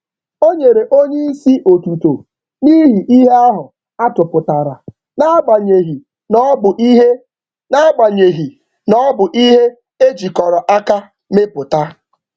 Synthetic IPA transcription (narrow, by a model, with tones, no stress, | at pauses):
o˦ɲe˨ɾe˨ʔo˦ɲe˦i˦si˦ʔo˨tu˨to˨ | ni˦ɦi˨ʔi˦ɦe˦a˦ɦʊ˨ | a˦tʊ˨pʊ˨ta˨ɾa˨ | na˦a˦ɡ͡ba˨ɲe˨ɦi˨ | nɔ˦bʊ˨ʔi˦ɦe˦ | na˦a˦ɡ͡ba˨ɲe˨ɦi˨ | nɔ˦bʊ˨ʔi˦ɦe˦ | e˦d͡ʒi˨kɔ˨ɾɔ˨ʔa˦ka˦ | me˦pʊ˨ta˦